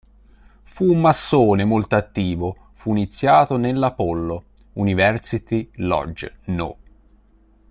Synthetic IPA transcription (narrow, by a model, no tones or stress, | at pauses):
fuːmːasːoːnemolt̪oat̪ːiːvo | fuinit̪sːjaːt̪onelːapolːo | univɛrsit̪ilɔ̰d͡ʒno̰